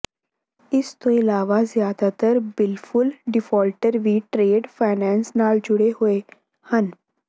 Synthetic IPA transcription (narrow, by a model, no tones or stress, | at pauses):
ɪst̪oɪlaːʋazjaːd̪at̪əɾbɪlfʰʊlɖɪfʰɔːlʈəɾʋiːʈɾeːɖfʰaːnɛ̃ːnsnaːld͡ʒʊɽeɦʊe | hən